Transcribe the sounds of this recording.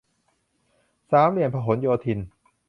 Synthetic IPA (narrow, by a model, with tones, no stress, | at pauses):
saː˩˦mli˨˩ənpʰa˧ɦo˩˦njoː˧t̪ʰi˧n